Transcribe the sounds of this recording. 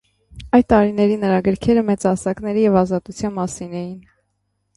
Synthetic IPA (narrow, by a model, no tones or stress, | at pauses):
ɑj̪t̪ɑɾinɛɾinəɾɑɡəɾkʰɛɾəmɛt͡sɑsɑkn̪ɛɾijɛvɑzɑt̪ut͡sʰjɑnmɑsinɛjin